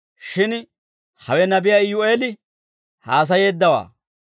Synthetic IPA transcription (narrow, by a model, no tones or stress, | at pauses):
ʃɪn | hɐwɛnɐbɪjaːɪjʊeːlɪ | haːs̬ɐjeːd̪ːɐwa̰ː